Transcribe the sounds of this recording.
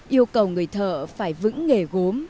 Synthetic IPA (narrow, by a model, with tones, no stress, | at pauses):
ʔi˧əwkə˨˩wŋɨ˨˩əjt̪ʰəː˧˩faː˧˩jvɨ̰˧˥ŋːe˧˩ɣo˨˦m